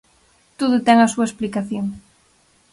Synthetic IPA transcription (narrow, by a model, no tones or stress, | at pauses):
t̪oðʊt̪ɛŋɐsuɐesplikaθjoŋ